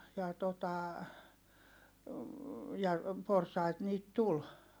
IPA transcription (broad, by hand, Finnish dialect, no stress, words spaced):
jɑ totɑ jɑ porsɑit niːt tul